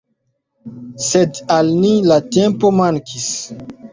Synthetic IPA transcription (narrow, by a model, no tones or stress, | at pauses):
sedalnilatẽmpomãŋkʰis